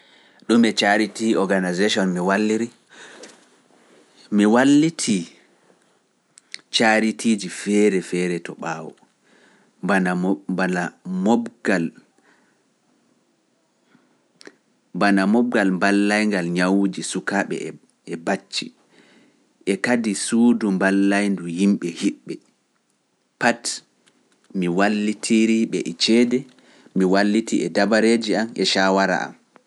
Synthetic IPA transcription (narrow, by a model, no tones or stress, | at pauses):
ɗumɛt͡ʃaɾitiɔɡanazeʃɔnmiwalːiɾi | miwalːitʰi | t͡ʃaɾitʰiːd͡ʒifɛɾɛfɛɾɛtɔɓaːwɔ̰ | anabanamɔɡal | banamɔb̚ɡalmbalːajŋɡalɲawud͡ʒisukaɓɛ̰ | ɛbat͡ʃːi | ʔɛkadisudumbalːajnduhimɓɛhiɓːɛ | pat | miwalːitʰiɾiɓɛʔɛt͡ʃɛdɛ | miwalːitiʔɛdabaɾed͡ʒiamɛʃawaɾa̰ʔa̰m